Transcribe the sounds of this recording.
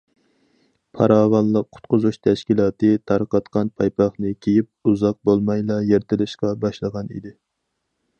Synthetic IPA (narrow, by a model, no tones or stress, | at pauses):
pʰɑ̰ɾɑːʁɑnlˠəqʰːʊ̥t̪qʊzuʃt̪ʰɛʃkʲilˠɑːt̪ɨt̪ʰɑɾqɑt̪qɑnpʰɑjpʰɑχnɨkʲʰejip̚uzɑq̚bolˠmɑjlˠɑjeɾt̪ʰɪlɪʃqɑbɑʃlˠəʁɑnḭd̪ɪ